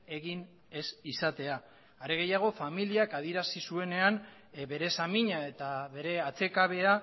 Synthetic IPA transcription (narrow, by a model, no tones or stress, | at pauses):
e̞ɣin | e̞sisat̪e̞aː | ɾeɣ̞e̞jaɣ̞o̞familiakað̞ieɾasisue̞ne̞an | βe̞ɾe̞samiɲae̞t̪aβe̞ɾe̞at͡se̞kaβ̞e̞a